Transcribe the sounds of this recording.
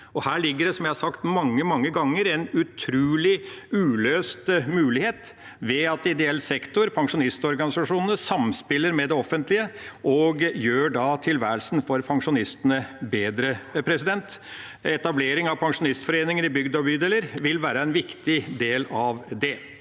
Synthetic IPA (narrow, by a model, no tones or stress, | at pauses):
ɔhæːɭɪɡːəɖɛsɔmjæɪhɑɾʂɑkt̪mɑŋːəmɑŋːəɡɑŋːəɾɛnʉt̪ʰɾʉːlɪʉːløːst̪mʉːlɪheːt̪ | ʋɛɑt̪ɪd̪ɛɛlːsɛkt̪ʊɾpʰɑŋʂʊnɪst̪ɔɾɡɑnɪsɑʂuːnənəsɑmspɪlːəɾmɛd̪ɛɔfːənt̪lɪəʔɔɡjøːɖɑt̪ʰɪlʋæːɾəlsn̩fɔɾpʰɑŋʂʊnɪst̪ənəbeːd̪ɾəpʰɾɛsɪd̪ɛnt̪ | ɛt̪ɑbleːɾɪŋɑʋpʰɑŋʂʊnɪst̪fɔɾeːnɪŋəɾɪbʏɡd̪ɑbyːd̪eːləɾʋɪlʋæːɾəɛnʋɪkt̪ɪd̪eːlɑʋd̪ɛ